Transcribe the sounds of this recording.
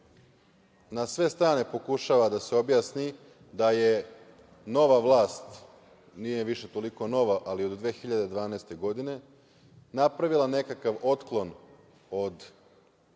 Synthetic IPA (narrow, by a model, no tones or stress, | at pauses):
nasʋe̞st̪ɾaːne̞po̞kuʃaːʋad̪ase̞o̞bjaːsni | d̪aje | no̞ʋaʋlˠaːst̪ | nijeʋiʃe̞t̪o̞liko̞no̞ʋaʔaliod̪d̪ʋe̞ːxiʎad̪e̞d̪ʋaːnaːst̪e̞ɡo̞d̪ine̞ | napɾaʋilˠane̞kakaʋo̞t̪klˠo̞n | o̞d̪